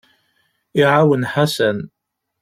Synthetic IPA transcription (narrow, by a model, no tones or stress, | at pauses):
iʕawənħasæn